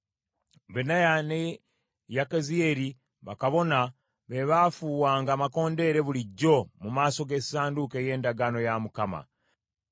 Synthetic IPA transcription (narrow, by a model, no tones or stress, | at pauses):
βenajane | jakezie̞ɾi | βakaβo̞na | βe̞βafuːwaːŋɡaːmako̞ːnde̞ɾe̞βuliɟːo̞mumaːso̞ɡe̞saːnduke̞ːje̞ːndaɡano̞jamukama̰